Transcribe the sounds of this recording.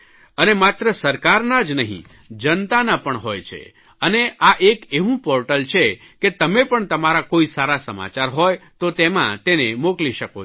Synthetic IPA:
ənemat̪ɾəsəɾkaɾnad͡ʒnəɦḭ̃ | d͡ʒənt̪anapəɳɦojt͡ʃʰḛ | əneʔaʔekeʋũpɔɾʈəlt͡ʃʰe | ket̪əmepəɳt̪əmaɾakoisaɾasəma̰t͡ʃaɾɦojt̪ot̪emã̰t̪enemokliʃəko

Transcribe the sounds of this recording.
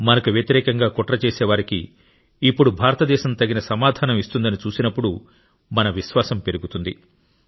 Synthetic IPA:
mɐnɐkuʋjɐt̪iɾɛːkɐŋɡaːkɔʈɾɐt͡ʃeːsɛːʋaːɾikḭː | pːuɽubʱaːɾɐt̪ɐd̪ɛːʃɐmt̪ɐɡinɐsɐmaːd̪ʱaːnɐmist̪und̪ɐnit͡ʃuːsinɐpːuɽu | mɐnɐʋiʃʋaːsɐmpe̞ɾuɡut̪und̪i

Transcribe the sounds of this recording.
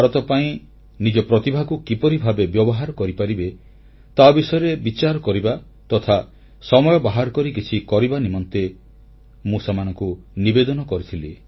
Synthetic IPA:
aɾɔt̪ɔpaĩ | nid͡ʒɔpɾɔt̪ibʱaɡukipɔɾibʱabebjɔbɔɦaɾɔkɔɾipaɾibe | t̪abisɔjɔɾebit͡ʃaɾɔkɔɾiba | t̪ɔt̪ʰa | sɔmɔjɔbaɦaɾɔkɔɾikit͡ʃʰikɔɾibanimɔnt̪e | mũsamanɔŋkunibed̪ɔnɔkɔɾit̪ʰili

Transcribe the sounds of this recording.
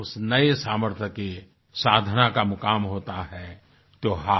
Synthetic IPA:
ʊsnəesaːməɾt̪ʰjəke | saːd̪ʱnakamʊkaːmɦoːt̪aɦɛ | t̪oːɦa

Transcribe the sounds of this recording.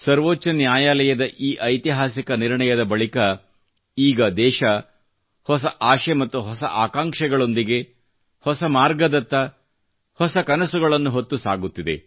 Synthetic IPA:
sɐɾʋoːt͡ʃt͡ʃːɐnjaːjaːlɐjɐd̪ɐʔiːʔɐjt̪iɦaːsikɐniɾɳɐjɐd̪ɐbɐɭikɐ | iːɡɐd̪ɛːʃɐ | hɔsɐʔaːʃemɐt̪ːuɦɔsɐʔaːkaːŋkʂɛɡɐɭo̞nd̪iɡe | hɔsɐmaːɾɡɐd̪ɐt̪ːɐ | hɔsɐkɐnɐsuɡɐɭɐnːuɦot̪ːusaːɡut̪ːid̪e̞̰

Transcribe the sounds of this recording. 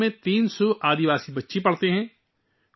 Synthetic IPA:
mẽt̪iːnsoʔaːd̪iʋaːsibɐtːʃepɐɽt̪eɦɛ̃ː

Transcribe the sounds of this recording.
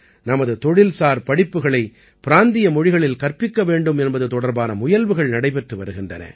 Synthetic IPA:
nɐmɐðɯt̪ɔɻɪlsaːɾpɐɽɪpːɯɣɐɭɐɪ | pɪɾaːnd̪ɪjɐmɔɻɪɣɐɭɪlkɐrpːɪkːɐʋeːɳɖɯmɛnbɐðɯt̪ɔɽɐɾbaːnɐmʊjɐlʋɯɣɐɭnɐɽɐɪpɛʈrɯʋɐɾɯɣɪndrɐ̰nɐ̰

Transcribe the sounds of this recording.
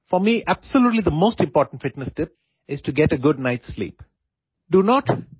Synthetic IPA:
fɔmiʔæb̥səljuːʈlid̪əmoːsʈɪ̃mpɔːɾʈə̃ɳʈfɪʈnəsʈɪp̚ | ɪz̥ʈuɡɛʈəɡʊɖ̚naɪʈslḭːp | ɖunɔʈ

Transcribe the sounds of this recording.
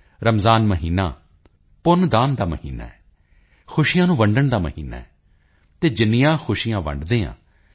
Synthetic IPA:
ɾəmzaːnməɦiːna̰ː | pʊnd̪aːnd̪aːməɦḭːna̰ːɛ | xʰʊʃijãːnũːʋəɳɖəɳd̪aːməɦiːna̰ːɛː | t̪eːd͡ʒɪnɪjãːxʰʊʃijãːʋə̰ɳɖd̪eːã̰ː

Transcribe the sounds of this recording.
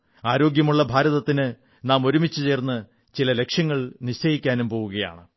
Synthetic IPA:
aːɾo̞ːɡjɐmuɭːɐbʱaːɾɐðɐt̪ːinɨ | naːmo̞ɾumit͡ɕːut͡ɕe̞ːrnːɨ | t͡ɕilɐle̞kʂjɐŋːɐɭniɕt͡ɕɐjikʲːaːnumpo̞ːʋuɣɐja̰ːɳɨ

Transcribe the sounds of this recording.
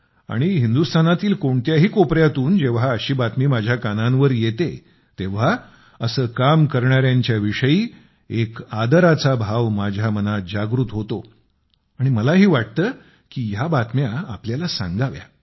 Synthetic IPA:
a̰ɽ̃iɦind̪ust̪ʰanat̪iːlkoɳt̪jaɦiːkopɾjat̪uːnd͡ʑeʋ̤aəɕiːbat̪miːmad͡ʑʱjakanãnʋəɾjet̪e | t̪eʋ̤a | əsəːkamkəɾɳaɾjaɲt͡ɕjaʋiʂəjiː | ekad̪əɾat͡sabʱaʋmad͡ʑʱamənad͡ʑaɡɾut̪ɦot̪o | aɽ̃iməlaɦiːʋaʈ̚t̪əː | kijabat̪mjaːpljalasã̰ŋɡaʋja̰

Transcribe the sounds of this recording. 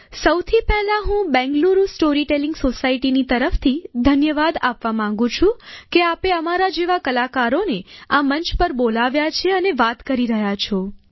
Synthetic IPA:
səwt̪ʰipɛɦlaɦũbɛ̃ŋɡluɾusʈoɾiʈelĩŋɡsosaiʈinit̪əɾəft̪ʰid̪ʱənjəʋad̪apʋamãŋɡũt͡ʃʰũkeapeəmaɾad͡ʒeʋakəlakaɾoneamənt͡ʃpəɾbolaʋjat͡ʃʰeəneʋat̪kəɾiɾəɦjat͡ʃʰo

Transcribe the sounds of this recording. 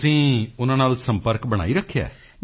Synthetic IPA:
sĩːʊnãːnaːlsəmpəɾkbəɽ̃a̰ːiːɾəkʰːja̰ː

